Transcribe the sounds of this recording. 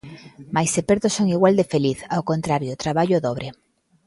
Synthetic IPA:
majsepeɾt̪osoŋiɣwald̪efeliθawkont̪ɾaɾjot̪ɾaβaʎoðɔβɾe

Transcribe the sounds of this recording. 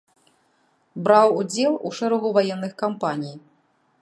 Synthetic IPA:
bɾawud͡zʲɛlˠṵʂɛɾɐɣuvajɛnːɨxkampanʲij

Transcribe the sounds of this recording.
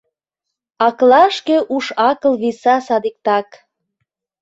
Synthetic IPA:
ɑklɑʃkeʔuʃɑkɤlβisɑsɑd̪ik̚t̪ɑk

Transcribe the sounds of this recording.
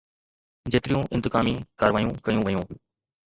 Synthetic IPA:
d͡ʑeːt̪ɪɾɪjũːʔɪ̃nt̪ɪkaːmiːkaːɾʋaːijũːkəjũːʋəjũː

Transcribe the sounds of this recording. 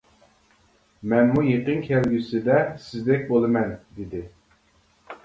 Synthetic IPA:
mɛnmujeqɨnkʲʰɛlɡʲysid̪ɛsɪzd̪ɛk̚ʲbolˠɨmɛnd̪ed̪ɪ

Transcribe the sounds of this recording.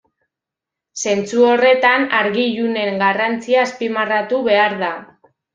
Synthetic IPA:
se̞nt͡suo̞re̞t̪anaɾɣiʝune̞ŋɡarant͡siaːspimarat̪uβe̞aɾða

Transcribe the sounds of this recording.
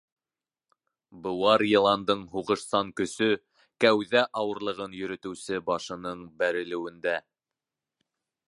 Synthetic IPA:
bɤ̆wɑɾjɤ̆lˠɑnd̪ɤɴɦuʁɤ̆ʃsɑŋkɵ̆sɵ | kæwðæʔɑwɤ̆ɾlˠɤ̆ʁɤnjɵ̆ɾɵ̆t̪ɘ̆wsɘbɑʃɤ̆nɤɴbæɾɘ̆lɘ̆wɘ̆nd̪æ

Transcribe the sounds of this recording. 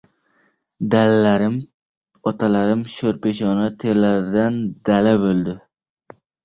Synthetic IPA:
d̪alaːaɾɪm | ɒt̪ʰalaɾɪmʃɵɾpe̞ʃ̬ɒnat̪ʰeɾlaɾɪd̪and̪alabɵlˠd̪ɪ

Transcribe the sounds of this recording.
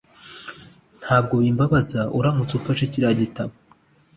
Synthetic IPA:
n̥haːb̚ɡo̞βiːmbaβazaʔuɾamut͡sufaʃeciɾaɟitaβo

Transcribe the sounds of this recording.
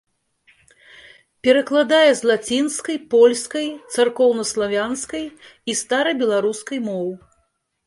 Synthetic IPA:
pʲɛɾɐklˠad̪ajɛzlˠat͡sʲinskɐjpɔlʲskɐjt̪sarkɔwnɐslˠavʲanskɐjist̪aɾɐjbʲɛlˠaɾuskɐjmɔw

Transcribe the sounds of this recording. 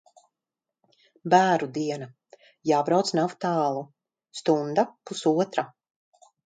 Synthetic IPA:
bæːɾud̪iɛna | jaːbɾawt̪snaft̪aːlˠu | st̪und̪apusuɔt̪ɾa

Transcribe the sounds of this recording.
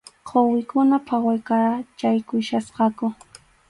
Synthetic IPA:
qʰowɪkʊnapʰaχwajkaɾat͡ʃajkʊjʃasqɑkʊ

